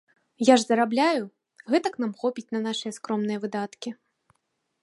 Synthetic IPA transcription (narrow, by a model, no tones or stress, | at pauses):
jaʐzɐɾablʲaju | ɣɛt̪ɐknamxɔpʲit͡sʲnɐnaʂɨjɐskɾɔmnɨjɐvɨd̪at̪kʲi